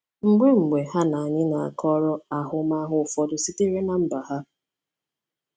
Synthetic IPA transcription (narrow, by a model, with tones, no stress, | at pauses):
ŋ͡m̩˨ɡ͡be˦ŋ͡m̩˨ɡ͡be˨ha˦na˨a˨ɲɪ˦na˨a̰˨kʰɔ˦ɾɔ˦a˨ɦʊ˦ma˦ɦʊ˦˨fɔ˨dʊ˨si˦te˦ɾe˦na˨m̩˦ba˨ha˦